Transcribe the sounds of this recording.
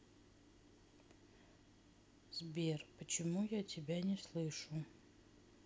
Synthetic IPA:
zbʲerpət͡ɕɪmujatʲɪbʲanʲɪslˠɨʂʊ

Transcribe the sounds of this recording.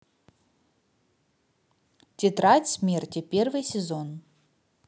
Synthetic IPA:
tʲɪt̪ɾatʲsʲmʲertʲɪpʲervɨjsʲɪzon

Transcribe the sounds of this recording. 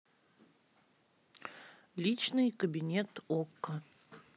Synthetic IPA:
lʲit͡ɕnɨjkəbʲinʲet̪okːə

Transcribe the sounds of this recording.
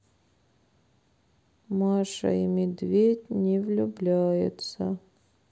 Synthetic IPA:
maʂə̰imʲɪd̪vʲetʲnʲɪvlʲʊblʲæjɪ̰t̪sə

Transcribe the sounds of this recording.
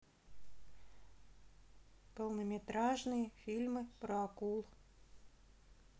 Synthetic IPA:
pəlˠnəmʲɪt̪ɾaʐnɨjəfʲilʲmɨpɾəɐkulˠ

